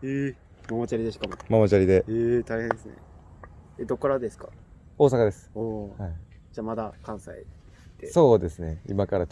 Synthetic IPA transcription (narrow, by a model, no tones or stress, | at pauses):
e | mamot͡ɕaɾid̪eɕi̥kamomamot͡ɕaɾʲid̪e̞et̪aihẽnd̪esɨnḛ | ed̪o̞kːaɾad̪esɨ̥ka | o̞ːsakad̪e̞sɨ̥ohai | d͡ʑaːmad̪akãɰ̃sai | t̪ːeso̞ːd̪e̞sɨne̞ḭmakaɾa